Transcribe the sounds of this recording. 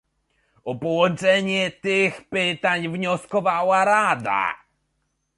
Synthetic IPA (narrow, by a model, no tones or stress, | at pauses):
ɔpɔwɔ̃nt͡ʂɛɲɛt̪ɪxpɪt̪aɲvɲɔskɔvawaɾad̪a̰